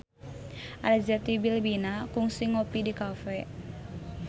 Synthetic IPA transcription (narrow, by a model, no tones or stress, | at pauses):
ʔaɾazat̪ibilbinakuŋsiŋɔpidikafɛ